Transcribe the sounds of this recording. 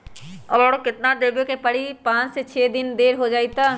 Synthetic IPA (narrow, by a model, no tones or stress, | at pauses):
ɐbɔːɽokɪt̪naɖ̪ebjokepɐɽ̤ipãːt͡ʃset͡ʃʰeːd̪ɪnd̪eːɾɦod͡ʒaːit̪aː